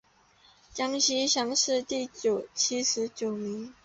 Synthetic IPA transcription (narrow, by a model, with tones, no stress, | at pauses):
t͡ɕjɑ˥ŋɕi˥ɕjɑ˥ŋʂɻ̩˥˧t̪i˥˩t͡ɕjo˨˩ʊt͡ɕʰi˥ʂɻ̩˧˥t͡ɕjo˨˩ʊmi˧˥˦ŋ